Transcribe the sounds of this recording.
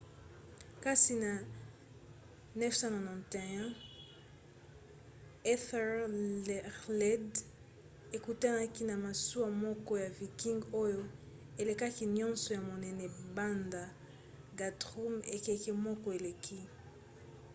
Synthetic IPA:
ka˦si˨na˨ | nɛ˦fsã˦no˨nɔ̃˨te˨ɛ̃˦ | ɛ˦θɛ˦ | lɛ˦d | e˨ku˨ta˦na˦ki˦na˨ma˨su˦a˨mɔ˦kɔ˦ja˨vi˨ki˦ŋɡo˦jo˦ | e˨le˨ka˦ki˦ɲɔ̃˦nsɔ˨ja˨mo˨nɛ˨nɛ˨ba˦nda˨ | ɡa˨tʁu˦me˨kɛ˨kɛ˦mɔ˦kɔ˦e˨le˨kʰi˦

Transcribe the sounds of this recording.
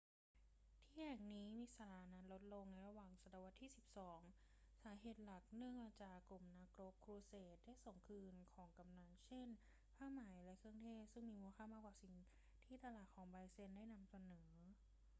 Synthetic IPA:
t̪ʰiː˥˩hɛ˨˩ŋniː˦˥mi˧sa˧ɾaː˧na˦˥lo˦˥t̪̚lo˧ŋna˧jɾa˧waː˨˩ŋsa˧˩daː˨˧˩wa˧nt̪ʰiː˥˩si˨˩p̚sɔː˩˦ŋ | saː˩˦ɦeː˨˩t̪̚la˨˩k̚nɯ˥˩əŋmaː˧˩t͡ɕaː˨˩klu˨˩mnaː˧kɾo˦˥kʰːɾuː˧seː˨˩t̪̚daː˥˩jso˨˩ŋkʰɯː˧nkʰɔː˩˦ŋka˧mnaː˧˩nt͡ɕʰe˥˩n | pʰaː˥˩maː˩˦jlɛ˧˦˥kʰɯ˥˩əŋt̪ʰeː˥˩p̚sɯ˥˩ŋmiː˧mu˧əkʰaː˥˩maː˥˩kwaː˨˩si˨˩ŋ | t̪ʰiː˥˩t̪a˧laː˨˩t̪̚kʰɔː˩˦ŋbaː˧jse˧˥˩ndaː˥˩jna˧msa˧nɤː˩˦

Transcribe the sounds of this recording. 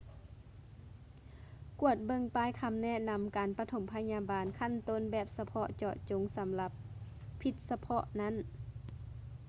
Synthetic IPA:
ku˧˩ət̪̚bɤ˧˨ŋpaː˧˥jkʰa˧˥mnɛ˧˥˨na˧˥mkaː˨npa˧t̪ʰo˨˦mpʰa˧ɲaː˧˥baː˨nkʰa˧˥˨nt̪o˧˥˨nbɛː˨˩p̚sa˧pʰɔ˧ʔt͡ɕɔ˧˩ʔt͡ɕo˨˦ŋsa˨˦mla˧˦pʰːi˧˩t̪̚sa˧pʰɔ˧ʔna˧˥˨n

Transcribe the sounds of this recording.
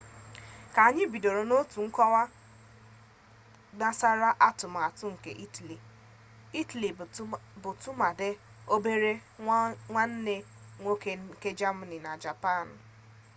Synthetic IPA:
ka˨a˨ɲɪ˦bi˨do˨ɾo˨no˦tu˨ŋ̩˦kɔ˦wa˦ | na˨sa˦ɾa˦ʔa˦tʊ˨ma˨a˨tʊ˦ŋ̩˨kḛ˨ʔi˦tli˨ | i˦tli˨bʊ˨tʊ˦ma˨de˦ | o˦be˦ɾe˦ | ŋʷa˦n̩˦ne˦ | ŋʷo˦ke˦ke˦d͡ʒa˦ma˨ni˨na˨d͡ʒa˨pa˦˨n̩˨

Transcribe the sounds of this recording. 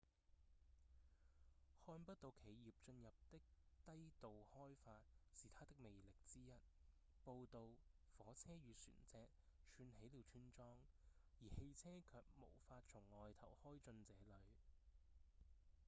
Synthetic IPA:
hɔː˥npɐ˥t̚t̪o˨˧wkʰe˨˧jjiː˨˩p̚t͡ʃɵ˧njɐ˨p̚t̪ɪ˥k̚t̪ɐ˥jt̪o˨whɔː˥jfaː˧t̚siː˨t̪ʰaː˥t̪ɪ˥k̚me˨jlɪ˨k̚t͡siː˥jɐ˥t̚ | po˧wt̪o˧w | fɔː˨˥t͡sʰɛː˥ɥyː˨˧sy̰ː˨˩nt͡sɛː˧k̚ | t͡ʃʰyː˧nɦe˨˥jliː˨˧wt͡ʃʰyː˥nt͡sɔː˥ŋ | jiː˨˩he˧jt͡sʰɛː˥kʰœː˨˩k̚mo˨˩wfaː˧t̚t͡ʃt͡sʰʊ˨˩ŋːɔː˨jt̪ʰɐ̰˨˩whɔː˥jt͡sɵ˧nt͡sɛː˨˧˥lɵ˨˧ɥ

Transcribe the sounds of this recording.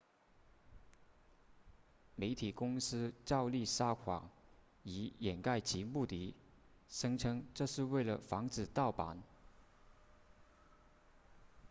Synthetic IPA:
me˧˥ɪt̪ʰi˨˩kʊ˥ŋsɹ̩˥ʈ͡ʂɑ˥˧ʊli˥˩ʂa˥kʰwɑ̰˨˩ŋ | i˧˥jɛ˨˩nka˥˩ɪt͡ɕi˧˥mu˥˩t̪i˧˥ | ʂɤ˥ŋʈ͡ʂʰɤ˥ŋʈ͡ʂɤ˥˧ʂɻ̩˥˧we˥˩ɪlə˩fɑ˧˥ŋt͡sɹ̩˨˩t̪ɑ˥˩ʊpa̰˧˥˦n

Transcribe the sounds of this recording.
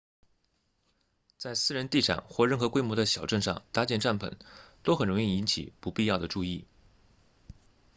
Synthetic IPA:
t͡sa˥˧ɪsɹ̩˥˩ɻə˧˥nt̪i˥˩ʂɑ̰˨˩ŋxwɔ˥˧ɻə˥˩nxɤ˧˥kwe˥ɪmwɔ˧˥d̪ə˧ɕjɑ˨˩ʊʈ͡ʂə˥˧nʂɑ̰˥˧ŋt̪a˧˥t͡ɕjɛ˥˩nʈ͡ʂa˥˩npʰə̰˨˩˦nt̪o˥ʊxə˨˩nɻʊ˧˥ŋi˥˩i˧˥nt͡ɕʰḭ˨˩˦pu˧˥pi˥˧jɑ˥˩ʊd̪ə˩ʈ͡ʂu˥˧i˥˩

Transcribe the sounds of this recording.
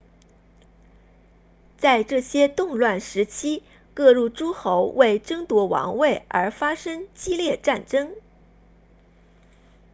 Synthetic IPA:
t͡sa˥˧ɪʈ͡ʂɤ˥˩ɕjɛ˥t̪ʊ˥˧ŋlwa˥˩nʂɻ̩˧˥t͡ɕʰi˥ | kɤ˥˧ɻu˥˩ʈ͡ʂu˥xo˧˥ʊwe˥˩ɪʈ͡ʂɤ˥ŋt̪wɔ˧˥wɑ̰˧˥ŋwe˥˩ɪə̰˞˧˥fa˥ʂɤ˥ŋt͡ɕi˥ljɛ˥˧ʈ͡ʂa˥˩nʈ͡ʂɤ˥ŋ

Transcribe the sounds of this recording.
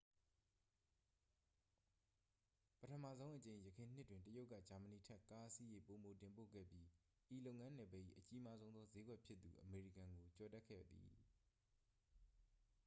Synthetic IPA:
pətʰəma˦˨zõ˦ʊ̃ʔət͡ɕẽ˨ɪ̃jəkʰɪ̃˨n̥ɪ˦tːwɪ̃˨ntəjo˦ʊʔkːä˦˨d͡ʑa˨mə˨ni˨tʰɛ˦˨ka˦ʔəsi˦je˦˨po˨mo˨tɪ̃˨mpo̰˦˨ɡɛ̰˦˨bji˦ | ʔi˨lo˦ʊʔŋã˦nɛ˨bɛ˦˨ʔḭ˦˨ʔət͡ɕi˦ma˦zõ˦ʊ̃nðɔ˦ze˦ɡwɛ˦ʔpʰjɪ˦t̪ːṵ˨ʔəme˨ɹḭ˦˨kã˨ŋɡo˨t͡ɕɔ˨tɛ˦ʔkʰɛ̰˦˨d̪ḭ˨

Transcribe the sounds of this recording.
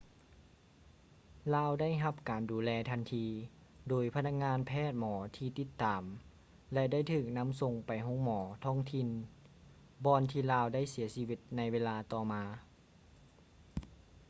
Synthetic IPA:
laː˧wda˥˩jɦa˧p̚kaː˨˩nduː˨˩lɛː˧t̪ʰa˧˥nt̪ʰiː˧ | doː˨˩jpʰa˧nʰa˧k̚ŋaː˧˥npʰɛː˥˩t̪̚mɔː˩˦t̪ʰiː˧t̪i˧t̪ːaː˨˩m | lɛ˧da˥˩jt̪ʰɯː˧˩k̚na˧˥˨mso˧ŋpa˨˩jɦo˧˥˨ŋmɔː˩˦t̪ʰɔː˥˩ŋt̪ʰi˧˥˨n | bɔː˧nt̪ʰiː˧laː˧wda˥˩˨jsi˨˩˦ɐsi˧wi˧t̪̚na˧jweː˧laː˧t̪ɔː˧˩maː˧

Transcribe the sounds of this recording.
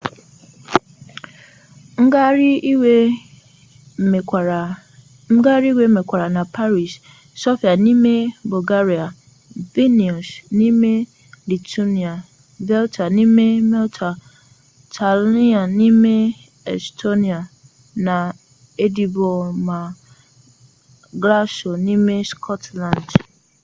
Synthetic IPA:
ŋ̩˦ɡa˦ɾi˦i˦we˦˨ | ŋ̩˦ɡa˦ɾi˦i˦we˦me˨kʷa˨ɾa˨nã˨pʰa˦ɾi˨s | so˦fi˨a˨nĩ˦me˦bo˨ɡa˦ɾi˨a˨ | ve˦ni˨o˨snĩ˦me˦ | li˨tʰu˦ni˨a˨ | vɛ˦ltʰa˨nĩ˦me˦mɛ˦ltʰa˨ | tʰa˨li˦a˨nĩ˦me˦ | ɛ̰˨stʰo˦ni˨a˨ | nã˨ | e˦di˦bo˨mã˨ | ɡla˦so˨nĩ˦me˦skʰɔ˦tlã˨nd

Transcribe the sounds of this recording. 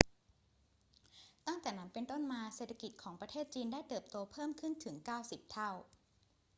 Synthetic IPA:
t̪a˥˩ŋt̪ɛː˨˩na˩˦˥mpe˧nt̪o˥˩nmaː˧seː˨˩t̪ʰːa˧ki˨˩t̪̚kʰɔː˩˦ŋpɾa˧t̪ʰeː˥˩t̪̚t͡ɕiː˧ndaː˥˩jt̪ɤː˨˩p̚t̪oː˧pʰɤː˥˩mkʰɯ˥˩nt̪ʰɯ˩˦ŋkaː˥˩wsi˨˩p̚t̪ʰa˥˩w

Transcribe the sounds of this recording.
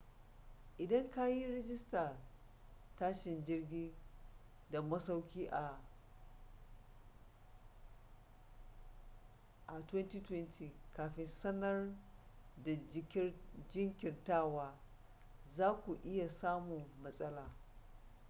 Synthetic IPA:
ʔɪ˨dɐ˦ŋka˦ji˦ɾɛ˦d͡ʒɪ˦sta˨ | taː˦ʃɪ˨nd͡ʒɪ˦rɡʲiː˦ | da˨mɐ˦sa˦wkʲiː˦ʔa˨ | ʔa˨twɛ˦ntiː˦twɛ˦ntʰiː˨kaː˨ɸɪ˦nsɐ˦nɐ˦r | da˨d͡ʒɪ˦ŋkʲɪ˨ntaː˦˨waː˦ | zaː˦kʷu˨ʔɪ˦ja˨saː˦mʊ˨mːɐ˦sʼɐ˦laː˨

